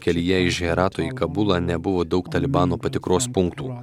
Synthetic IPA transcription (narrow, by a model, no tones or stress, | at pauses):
kʲɛlʲijɛɪʒʲɛɾɑːt̪oːiːkɐbʊlˠɑːnʲɛbʊʋoːd̪ɒʊkt̪ɐlʲɪbɑːnoːpɐt̪ʲɪkɾoːspʊŋkt̪uː